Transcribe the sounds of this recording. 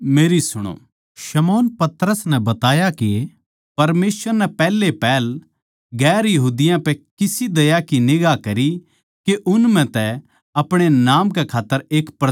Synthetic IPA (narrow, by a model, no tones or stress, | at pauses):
meːɾisʊɽ̃o̰ː | ʃɐmɔːnpɐt̪ɾəsnɛbɐt̪aːjaki | pɐɾmeːsʋəɾnɛpɛːlːepɛːl | ɡɛːɾjɐɦuːd̪ɪjãpɛkɪsid̪ɐjakinɪɡakɐɾi | keʔʊnmɛ̃t̪ɛ | ɐpɽ̃enaːmkekʰaːt̪ːəɾeːkpɾɐ